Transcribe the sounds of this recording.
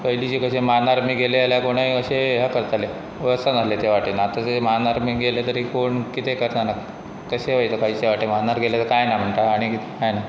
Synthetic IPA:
kəɦilit͡ɕiːkəɕemanaɾmiːɡʱelealjakoɽ̃aiəɕeɦjakəɾt̪ale | ʋəst̪anaslet̪eʋaʈenaːt̪at̪emanaɾmiːɡʱelet̪əɾikoɳkit̪ʰekəɾt̪ana | k̪əɕeʋəjt̪əkait͡ɕeʋaʈem̤anaɾɡʱelet̪əɾkajnam̤əɳʈ̪aaɽ̃ikit̪ekajna

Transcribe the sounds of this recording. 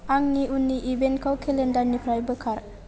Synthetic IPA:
aŋniʔunːiʔibenkʰawkʰelendaɾnipʰɾajbəkʰaɾ

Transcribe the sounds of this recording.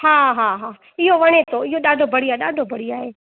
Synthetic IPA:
ɦaːɦaːɦaː | ɪɦoʋɐɽ̃et̪oɪɦoɗaːɖʱobʱɐɽiaːeɗaːɖʱobʱɐɽ̤iaːɦeː

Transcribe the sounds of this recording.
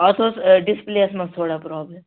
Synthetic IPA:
ɔt̪ʰoːsɖɪspleːəsmɐ̃st̪ʰoːɽapɾɔːbləm

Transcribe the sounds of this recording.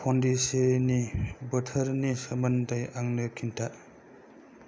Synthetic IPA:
pʰɔndisenibɐtʰəɾnisɐmɐndajʔaŋnɯkʰinta

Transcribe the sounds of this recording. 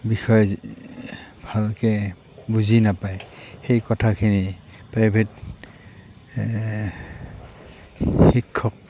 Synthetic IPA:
bixɔj | bʱalkɛ | buzinapajxejkɔtʰakʰini | pɹajbʱet | xikʰːɔk̚

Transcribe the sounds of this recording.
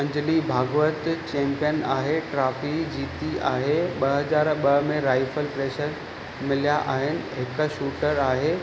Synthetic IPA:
ɐ̃ɲd͡ʑlibʱaːɡʋət̪t͡ɕɛ̃ːmpijənaːɦeʈɾaːfid͡ʑiːt̪iʔaːɦeɓɐɦɐzaːɾɓɐɦmẽɾaːɪfəlpɾeːʃəɾ | mɪlijaʔaːɦɪnɪ̆ɦɪkʃuːʈəɾaːɦeː

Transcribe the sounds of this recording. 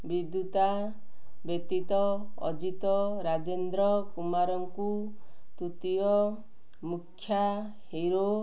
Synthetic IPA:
bid̪jut̪a | bet̪it̪ɔɔ̰d͡ʒit̪ɔɾad͡ʒend̪ɾɔkumaɾɔŋku | t̪ut̪iɔ | mukʰːja | hiɾo

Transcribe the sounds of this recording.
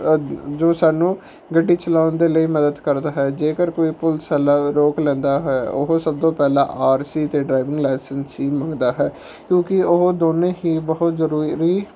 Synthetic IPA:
d͡ʒoːsaːnũː | ɡəɖːiːt͡ʃəlaːʊnd̪eːləiːməd̪əd̪kəɾd̪aːɦɛːd͡ʒeːkəɾkoːiːpʊlsɛːlaːɾoːklɛ̃ːnd̪aːɦoɛo̰ɦosəb̚d̪õːpɛːlã̰ːʔaːɾsiːt̪eːɖɾaːɪʋɪ̃ŋɡlɛːsənsiːmə̃ŋɡd̪aːɦɛː | kjõːkɪoɦod̪oːnẽːɦiːbəɦʊt̪zəɾuːɾiː

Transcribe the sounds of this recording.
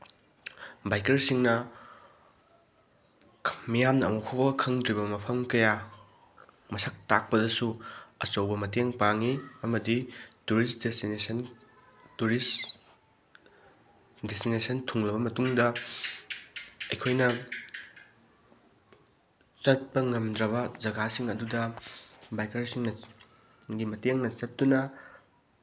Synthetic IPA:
bajkɐɾsiŋnɐ | mijamnɐːmuwkʰobɐkʰɐŋdɾibɐmɐpʰɐmkɐja | mɐsɐk̚tak̚pɐdɐsuɐsɐwbɐmɐteŋpaŋiɐmɐdituɾisdesnesn | tuɾis | destinesɐntʰuŋlɐbɐmɐtuŋdɐ | ɐjkʰojnɐ | t͡ʃɐt̚pɐŋɐmdɾɐβɐd͡ʒɐɡasiŋɐdudɐbajkɐɾisiŋnɐ | ɡimɐteŋnɐsɐttunɐ

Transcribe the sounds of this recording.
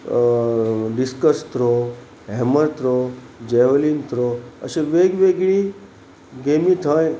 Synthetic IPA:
ɖiskəst̪ɾo | ɦɛməɾt̪ɾo | d͡ʑeʋlint̪ɾoə̰ɕeʋeɡʋeɡɭi | ɡemit̪ʰəj

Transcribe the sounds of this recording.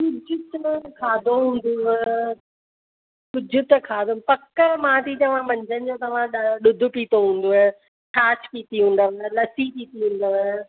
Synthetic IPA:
kʊd͡ʑʱʊt̪kʰaːd̪ʱoɦũːnd̪u | kʊd͡ʑʱʊt̪kʰaːd̪ʱopɐkəmãːt̪ʰit̪ɐʋ̤ãmɐ̃ɲd͡ʑʱənɪ̆d͡ʑoːt̪ɐʋ̤ãɗɗʊd̪ʱʊ̆piːt̪oɦũːn̆d̪oɦe | ʈaːʃpiːt̪iɦũːn̆d̪əʋlɐsipiːt̪iɦũːn̆d̪əʋe

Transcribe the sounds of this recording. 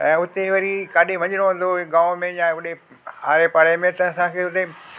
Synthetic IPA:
ɛ̰̃ːʊt̪eʋɐɾikaːɗeʋɐ̃ɲɪɽ̃oɦũːn̆d̪oɡãːmẽjãʊɗe | a̰ːɾepaɽemẽt̪ɐɐsãkʰeːʊt̪e

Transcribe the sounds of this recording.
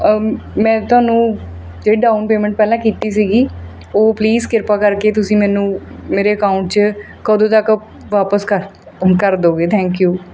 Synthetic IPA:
mɛ̃ːt̪ʊaːnũː | d͡ʒeːɽiːɖaːunpeːmə̃ɳʈ̚pɛːlãːkiːt̪iːsiːɡiː | oːpliːzkɪɾpaːkəɾkeːt̪ʊsĩːmɛ̃ːnũːmeːɾeːəkaːʊɳʈ̚t͡ʃ | kəd̪õːt̪ək | ʋaːpəskəɾ | kəɾd̪oːɡeːt̪ʰɛ̃ːŋkjuː

